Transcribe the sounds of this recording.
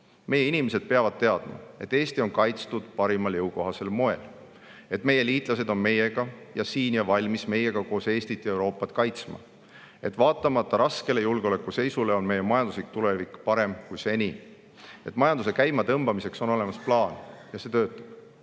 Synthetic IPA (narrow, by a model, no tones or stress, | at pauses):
me̞jːeinime̞s̬e̞d̪̥̚pe̞ɑvɑd̪̥̚t̪e̞ɑd̪̥mɑ̰e̞t̪ːˑeːst̪io̞nkɑjt̪st̪ud̪̥pɑɾimɑljɤwko̞ɦɑse̞lmo̞e̞̰l | e̞t̪ːˑme̞je̞liːt̪ˑlɑse̞d̪o̞nme̞je̞ɡ̥ɑjɑsiːnjɑvɑlʲmisme̞je̞ɡ̥ɑko̞ːse̞ːst̪it̪ːˑjɑewɾo̞ːpːˑɑt̪ˑkɑjt̪smɑ̰ | e̞t̪ːˑvɑːt̪ːˑɑmɑt̪ːɑɾɑske̞le̞julɡ̥eolekːˑuse̞jsule̞o̞nme̞je̞mɑjɑnd̪uslik̚t̪ule̞vikːˑpɑɾe̞mkujse̞ni | et̪ːˑmɑjɑnd̪̥use̞kæjmɑt̪ɤmb̥ɑmise̞kso̞no̞le̞mɑsplɑːnjɑse̞ːt̪ø̞ːt̪ːˑɑ̥b̥